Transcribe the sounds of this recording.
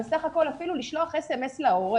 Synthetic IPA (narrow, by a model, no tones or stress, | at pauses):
saχako̞lafiluliʃlo̞aχesemeslaoʁe